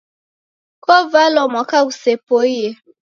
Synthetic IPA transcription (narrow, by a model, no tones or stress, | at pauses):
kovalɔmɔkausepoie